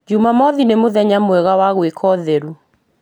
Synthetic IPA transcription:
d͡ʒumamɔðinemoðɛɲamwɛɣawaɣwekʰɔðeɾu

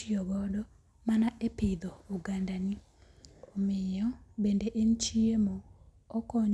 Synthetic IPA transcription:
iɔɡɔdɔ | manaepɪd̪ɔuɡandani | ɔmɪjɔbendeʔent͡ʃiemɔː | kɔɲ

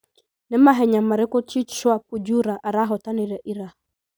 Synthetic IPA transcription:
nɪmaɦɛɲamaɾɪkɔt͡ʃit͡ʃwapud͡ʒuɾaʔaɾaɦɔtaniɾɛʔiɾa

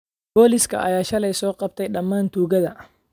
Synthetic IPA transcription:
b̥oːlɪskɐ̰ʔajaːʃɐlɛjsɔːqʼɐb̚t̪ʰɐjɗɐmːaːnt̪uːɡɐd̪ɐ

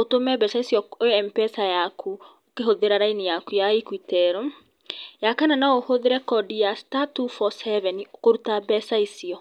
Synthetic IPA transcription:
otomɛbɛsaisiɔojɛmpɛsajakʰu | okeɦoðeɾaɾainijakujaikwitɛɾɔm | jakananaohoðeɾɛkɔdijastatufɔsɛvɛniokoɾutabɛsaisiɔ

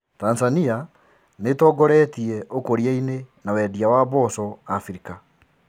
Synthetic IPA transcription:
tanzania | netɔɡɔɾɛtiɛʔokoɾiainenawɛdiawaβɔsɔafɾika

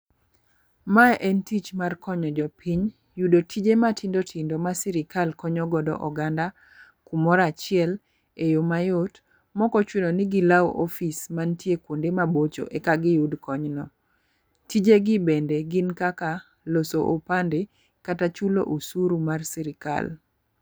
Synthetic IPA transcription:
maʔɛntit͡ʃmarkɔɲɔd͡ʒɔpʰiɲ | judotʰid͡ʒematɪndotʰindomasiɾɪkʰalkɔɲɔɡɔdɔ̰ʔɔɡanda | kumɔɾat͡ʃɪɛl | ejomajot | mɔkɔt͡ʃwinonɪɡɪlawʔɔfismantjekwondemabot͡ʃo̰ʔekaɡɪjudkɔɲnɔ | tid͡ʒeɡɪbendeɡɪnkaka | losoʔopande | katat͡ʃulo̰ʔusuɾumarsiɾɪka̰l

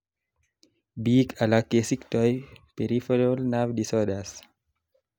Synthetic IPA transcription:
biːkalakesiktɔjpeɾifeɾolnavdisɔdas

